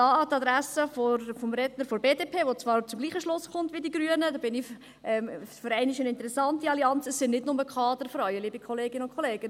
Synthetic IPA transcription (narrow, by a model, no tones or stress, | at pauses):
dɑːɑt̪ɑdɾæsəfofɔmɾɛdnəɾfoɾbeːdeːpʰeːʋot͡sʋɑːrt͡sʊmɡliːχəʃlʊsχʊntʋidiɡɾyənədɑːbɪnɪ | ʔɛfʏɾæɪnɪʃənɪnt̪əɾɛsɑntiɑliɑnt͡səsɪnnɪdnʊməkʰɑːd̪əɾfɾɑʏəliːbikʰɔleːɡɪnəʊnkʰχɔleːɡ̥ə